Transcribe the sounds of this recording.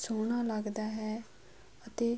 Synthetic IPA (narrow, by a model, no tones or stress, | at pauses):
soːɳ̃aːləɡd̪aːɦɛː | ət̪eː